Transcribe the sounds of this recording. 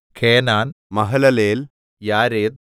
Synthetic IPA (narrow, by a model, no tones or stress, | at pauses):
kʰeːnaːnmɐɦɐlɐleːl | jaːɾeːt̪̚